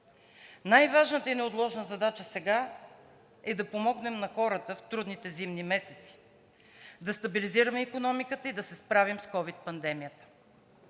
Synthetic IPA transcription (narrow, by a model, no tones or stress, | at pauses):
najvaʒnət̪əinɛot̪lˠɔʒnəzɐd̪at͡ʃəsɛɡa | ɛd̪ɐpomɔɡnɛmnɐxɔɾət̪əft̪ɾud̪nit̪ɛzimnimɛsɛt̪si̥ | d̪ɐst̪ɐbiliziɾɐmɛikonɔmikət̪əid̪ɐsɛspɾavimskɔvit̪̚pɐnd̪ɛmijət̪ə̥